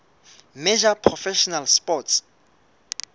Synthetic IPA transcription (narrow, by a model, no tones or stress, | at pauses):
med͡ʒapʰrɔfɛʃɔnalspɔts